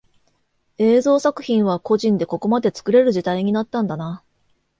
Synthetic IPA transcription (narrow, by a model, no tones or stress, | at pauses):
e̞ːzo̞ːsakɯ̟̥çĩɰ̃β̞ako̞ʑĩnd̪e̞ko̞ko̞mad̪e̞t͡sɨ̥kɯ̟ɾe̞ɾɯ̟ʑit̪aiɲ̟inat̪ːãnd̪ana